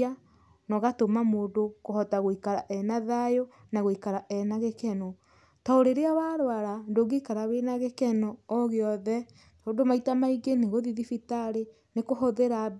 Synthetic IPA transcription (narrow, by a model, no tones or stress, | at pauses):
a | nɔɣatomamoːdokohɔtaɣoikaɾaʔɛnaðajo | naɣoikaɾaʔɛnaɣekɛnɔ | tɔoɾeɾeawaɾwaɾandoɡeikaɾawenaɣekɛnɔːɣeɔðɛ | toːndomaitamaiɡeneɣoðiðifitaɾe | nekohoðeɾab